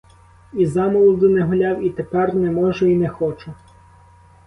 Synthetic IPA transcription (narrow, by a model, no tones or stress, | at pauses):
izɑmɔlˠʊd̪ʊnɛɦʊlʲɑwit̪epɛrnɛmɔʒɛinɛxɔt͡ʃʊ